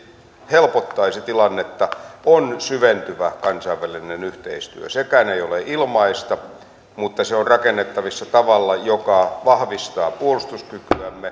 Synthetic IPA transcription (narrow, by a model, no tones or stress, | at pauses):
helpot̪ːɑiset̪ilɑnːet̪ːɑonsyʋent̪yʋækɑnsɑiʋʋælinenyht̪ḛist̪yø̰sekæːneijoleʔilmɑist̪ɑ | mut̪ːɑseorrɑkenːet̪ːɑʋisːɑt̪ɑʋɑlːɑjokɑʋɑhʋist̪ɑːpuolust̪uskykyæmːe